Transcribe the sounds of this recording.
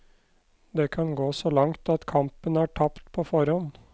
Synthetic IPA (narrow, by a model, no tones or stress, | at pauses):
d̪eːkʰɑnɡoːsoːlɑŋt̪ɑt̪kʰɑmpənæːʈʰɑpt̪pʰoːfɔɾɔn